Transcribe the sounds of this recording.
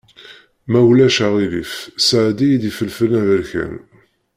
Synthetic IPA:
mæwlæʃaʁilḭfsʕd̪ijid̪ifəlfənæðəɾçæ̰n

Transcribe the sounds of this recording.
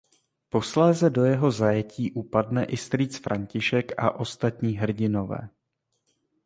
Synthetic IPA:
po̞slɛːzɛdo̞jɛɦo̞zajɛciːʔupadnɛʔɪst̪ɾiːt͡sfɾʔaɲcɪʃɛka̰ʔo̞st̪at̪ɲiːɦr̩ɟɪno̞vɛ̰ː

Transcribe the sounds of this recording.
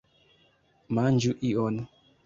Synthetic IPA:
mand͡ʒuʔiɔnu

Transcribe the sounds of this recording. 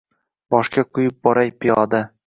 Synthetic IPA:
bɒʃkʲaqʰʊjɪp̚bɒɾajpʰɪjɒd̪a

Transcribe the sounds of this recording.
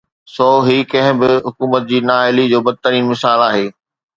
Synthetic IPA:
sɔːɦiːkɐ̃ɦɪ̃bɪɦʊkuːmət̪̚d͡ʑiːnaːɪlid͡ʑoːbɐd̪̚ɪt̪əɾiːnmɪsaːlaːɦeː

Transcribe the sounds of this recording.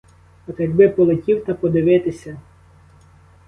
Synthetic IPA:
ɔt̪jɐɡ̚bɪpɔlˠetʲiwt̪ɐpɔd̪ɪʋɪt̪ɪsʲɐ

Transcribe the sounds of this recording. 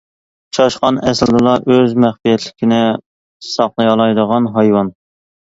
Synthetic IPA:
ʃʰɑʃqɑnɛsɪld̪ɨlˠɑʔøzmæχfijɛt̪ʰlɪkʲinɪ | sɑqlˠɨjɑlˠɑjd̪əʁɑnɦɑjwɑn

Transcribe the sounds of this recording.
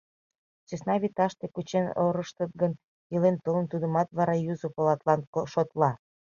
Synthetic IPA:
t͡ɕesnɑβit̪ɑʃt̪ekut͡ɕeno̰ɾəʃt̪ət̪̚ɡən | əlent̪olənt̪ud̪əmɑt̪βɑɾɑjuzopolɑt̪lɑnʃot̪lɑ

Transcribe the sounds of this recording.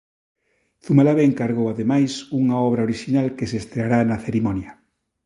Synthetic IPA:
θumalaβeːŋkaɾɣowaðemajsuŋaɔβ̞ɾɐoɾiʃinalkesest̪ɾeaɾanaθeɾimɔnjɐ

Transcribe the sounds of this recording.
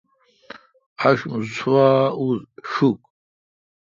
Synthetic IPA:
aʃmzt͡sʰwaːuzʃukʼ

